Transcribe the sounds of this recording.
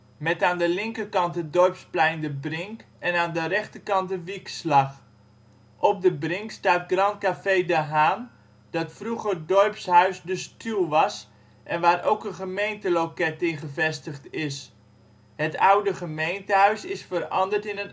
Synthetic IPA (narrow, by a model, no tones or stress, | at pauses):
mɛtaːndəlɪŋkəkɑntədɔrpsplɛjndəbrɪŋk | ɛnaːndərɛχtəkɑntdəʋikslɑx | ʔɔp̚dəbrɪŋkstaːt̚ɡrɑntkafedəɦaːn | d̥ɔtfruɣərdɔrpshœɥsdəstylˠʋɑs | ʔɛnʋaːɾʔowkənχəmejntəlokɛtɪχəvɛstəχtɪs | hətawdəχəmejntəɦœɥsɪsfəɾɑ̰ndərtɪnən